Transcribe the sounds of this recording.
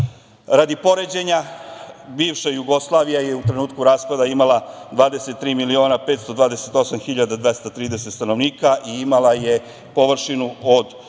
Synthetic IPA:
ɾad̪ipo̞ɾe̞d͡ʑe̞ɲa | biːʋʃajuɡo̞slˠaːʋijaje̞ut̪ɾe̞nuːt̪kuɾaːspad̪aimalˠad̪ʋaːd̪ese̞t̪ːɾiːmilio̞ːnapet̪st̪o̞d̪ʋaːd̪eset̪o̞samxiʎad̪ad̪ʋe̞st̪at̪ɾiːd̪e̞set̪st̪ano̞ʋniːkaʔiimalaje̞ | po̞ʋr̩ʃinuod̪

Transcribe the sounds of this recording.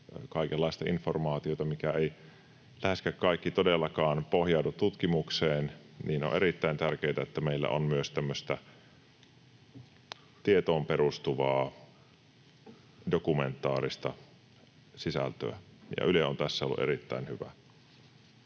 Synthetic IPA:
kɑˑikelːɑˑist̪ɑinformɑːt̪iot̪ɑmikæei | læheskækkɑˑikːit̪odelːɑkɑːnpohjɑˑudut̪ːut̪kimukseːnniːno̰ʔeɾit̪ːæint̪ærkeːt̪æet̪ːæmeilːæ̰ʔonmyøst̪æmːøst̪æ | t̪iet̪oːmperust̪uʋɑː | dokument̪ːˑɑːrist̪ɑ | sisæ̰lt̪ø̰æ̰jɑ̰ʔyleont̪æsːæolːṵʔḛɾit̪ːæ̰ˑinhyʋæ̰

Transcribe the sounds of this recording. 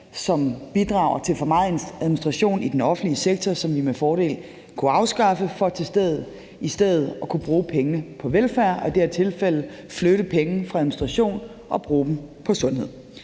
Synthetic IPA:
sɒ̽mb̥id̥ʁɑ̈ʊɐt͡sʰe̝lfɒ̽mɑ̈ð̩ˠensæðˠminisd̥ʁɑ̈ɕo̝̰ːnid̥enɒ̽fn̩dliəseɡ̥̚t͡sʰɒsɒ̽mʋimefɒːɾe̝̰ːl | kʰuɑ̈ʊsɡ̥ɑ̈fəfɒ̽t͡sʰe̝sd̥eð̰ˠð̩ˠ | isd̥eð̰ˠð̩ˠɒ̽kʰub̥ʁuːpʰeŋənəpʰɒ̽ʋelfæɐ̰ɒ̽d̥eæɐt͡sʰe̝lfel̰ð̩ˠfløɾəpʰeŋn̩fʁɑ̈æðˠminisd̥ʁɑ̈ɕo̝̰ːn | ʔɒ̽b̥ʁuːd̥m̩pʰɒ̽sɔ̽nhe̝ð̞̰ˠ

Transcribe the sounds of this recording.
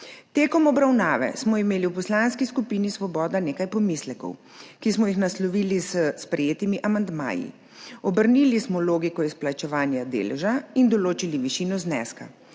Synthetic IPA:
t̪eːkɔmɔbɾawnaːʋɛ̰smɔimeːliwpɔslaːnskiskupiːnisʋɔbɔːd̪aneːkajpɔmislɛkɔ̰w | kismɔjixnaslɔʋiːlizəspɾɛjeːt̪imiʔamand̪ma̰ːjḭ | ɔbəɾniːlismɔloːɡikɔisplat͡ʃɛʋaːnjad̪ḛːlɛ̰ʒaind̪ɔloːt͡ʃiliʋiʃiːnɔznɛ̰ska̰

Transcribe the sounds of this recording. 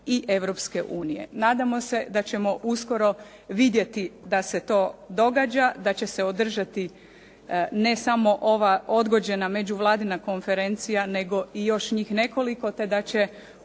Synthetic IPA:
iʔe̞ʋɾo̞pske̞ʔuːnijḛnaːd̪amo̞se̞d̪at͡ɕe̞mo̞ʔusko̞ɾo̞ | ʋid̪je̞t̪id̪ase̞t̪o̞ːd̪o̞ɡad͡ʑad̪at͡ɕe̞se̞od̪r̩ʒat̪i | ne̞samo̞ʔo̞ʋao̞d̪ɡo̞d͡ʑe̞name̞d͡ʑuʋlˠaːd̪inako̞nfe̞ɾe̞nt̪sijane̞ɡo̞ʔijo̞ʃɲiːxne̞ko̞liko̞t̪e̞d̪at͡ɕe

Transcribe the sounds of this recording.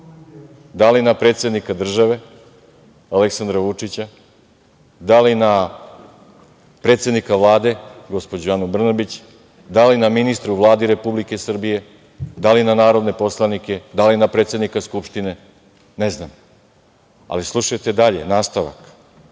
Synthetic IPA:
d̪alinapɾe̞ːt̪sʲe̞d̪nikad̪r̩ʒaʋe̞ | aleksand̪ɾaʋut͡ʂit͡ɕa | d̪alina | pɾe̞t̪sʲe̞d̪nikavlˠaːd̪e̞ɡo̞spod͡ʑoanubr̩nabit͡ɕ | d̪alinaminist̪ɾuʋlˠaːd̪iɾe̞publike̞sr̩bije̞ | d̪alinanaːɾo̞d̪ne̞po̞slˠanike̞d̪alinapɾe̞ːt̪sʲe̞d̪nikaskupʃt̪ine̞ | neznam | a̰lislˠuʃajt̪e̞d̪aʎenaːst̪aʋa̰k

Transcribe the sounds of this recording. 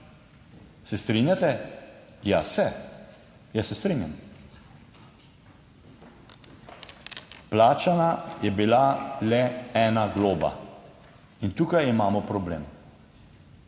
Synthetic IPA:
sɛst̪ɾinjat̪ɛ | jasɛ | jasɛst̪ɾiːnjam | plaːt͡ʃanajɛbilalɛɛnaɡloːba̰ | int̪uːkajimaːmɔpɾɔblḛːm

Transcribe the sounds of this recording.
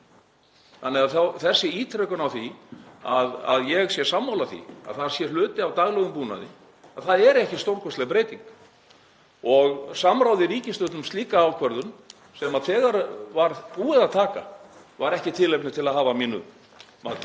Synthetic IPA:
θanːɛɣaðθawθɛsːɪiːt̪ʰɾœkʏnawθiaða̰ðjɛɣsjɛsamːawlaθḭa̰ðθasjɛlʏːt̪ɪawt̪aɣlɛɣʏmpuːna̰ðɪ | aðθaðɛɾɛhcɪ̥st̪owɾkʰɔst̪lɛɣapɾeːjt̪iŋk | ɔɣsamɾawðɪɾiːcɪnst̪ʏt̪nʏmst̪liːkaːwkʰvɛɾðʏn | sɛmaðθɛːɣaɾvaɾuːɛðaðt̪ʰaːka̰ | vaɾɛhcɪt̪ʰɪlejpnɪ̥t̪ʰɪlaðɦaːvamiːnʏ̰ | ma

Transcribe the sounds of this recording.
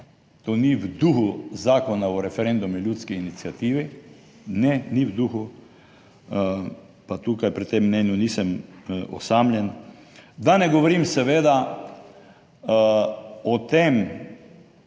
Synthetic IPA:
t̪oːniwd̪uxuzaːkɔnaɔɾɛfɛɾend̪umilʲjuːt̪skiːnit̪sjat̪iːʋi | nɛniwd̪uxu | pat̪uːkajpɾit̪emːnɛːnjunisəmɔ̰samlʲjɛn | d̪anɛɡɔʋɔɾimsɛʋeːd̪a | ɔt̪em

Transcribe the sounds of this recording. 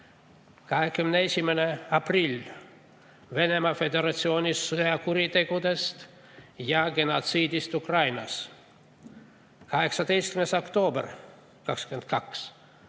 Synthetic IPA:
kɑɦekːymend̪eesʲimːæneɑprilʲ | ʋenemɑfed̪eɾɑt̪sioːnʲisuɑkuɾit̪ekud̪est̪ | jɑɡenɑt̪siːd̪ist̪ukrɑjnɑs | kɑɦeksɑd̪ejsʲt̪kymesokt̪oːbrʲ | kɑkskyment̪kʰɑks

